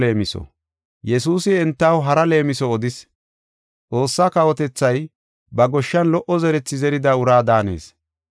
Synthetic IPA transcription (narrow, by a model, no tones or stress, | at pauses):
leːmɪsɔ̰ | jɛsuːsɪɛnt̪ːɐwɦɐɾɐle̞ːmɪsɔːd̪ɪs | t͡sʼo̞ːsːaːkɐwɔt̪ɛt͡sːɐj | bɐɡɔʃːɐnlɔʔɔzɛɾɛt͡sːɪzɛɾɪd̪ɐʊɾaːd̪aːne̞̰ːs